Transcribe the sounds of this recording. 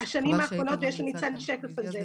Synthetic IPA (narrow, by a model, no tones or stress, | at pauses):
haʃanimaːχʁonotjɛʃlanit͡sad̪liʃekafaze